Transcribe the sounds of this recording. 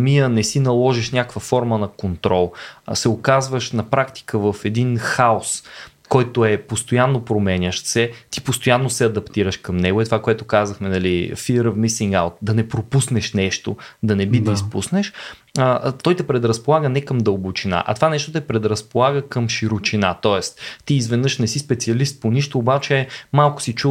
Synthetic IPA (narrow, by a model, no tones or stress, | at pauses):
miənɛsinɐlˠɔʒiʃnʲakkvəfɔɾmənɐkont̪ɾɔlˠsɛokazvəʃnɐpɾakt̪i̥kəvəfɛd̪inxaos | kɔjt̪oɛpost̪ojanːopɾomɛnʲəʃsɛt̪i̥post̪ojanːosɛɐd̪ɐpt̪iɾəʃkɐmnɛɡʊɛt̪ovakoɛt̪okazəxmɛnɐlifiɾəvmisiŋɡa̰ʊt̪̚d̪ɐnɛpɾopusnɛʃnɛʃt̪od̪ɐnɛbid̪ispṵsnɛʃ | ət̪ɔjt̪ɛpɾɛd̪ɾɐspolˠaɡənɛkəmd̪əlˠbot͡ʃina̰ʔɐ̰t̪ovanɛʃt̪ot̪ɛpɾɛd̪ɾɐspolˠaɡəkəmʃiɾot͡ʃinat̪ɔɛst̪iːzvɛd̪nɤʃnɛsispɛt̪siɐlist̪̚poniʃt̪oːbat͡ʃɛmalˠkʊ̥sit͡ʃu